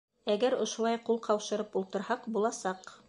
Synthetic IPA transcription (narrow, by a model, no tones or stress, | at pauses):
æɡæɾŏʃulˠɑjqulˠqɑwʃɤ̆ɾɤpulˠt̪ɤ̆ɾhɑqbulˠɑsɑq